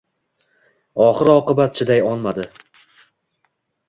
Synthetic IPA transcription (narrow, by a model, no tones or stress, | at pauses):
ɒχɨɾɒqɨbat̪̚t͡ʃʰɪd̪ajɒlˠmad̪ɪ